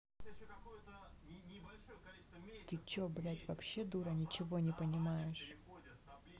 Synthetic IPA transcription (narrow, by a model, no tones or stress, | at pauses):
t̪ɨt͡ɕobɾatʲvɐpɕːe̞d̪uɾɐnʲɪt͡ɕɪvo̞nʲɪpənʲɪmajɪʂ